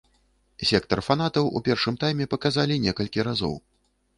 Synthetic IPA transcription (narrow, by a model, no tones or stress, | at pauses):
sʲɛkt̪ɐrfanat̪ɐwʔṵpʲɛrʂɨmt̪ajmʲɛpɐkazalʲinʲɛkɐlʲkʲiɾazɔ̰w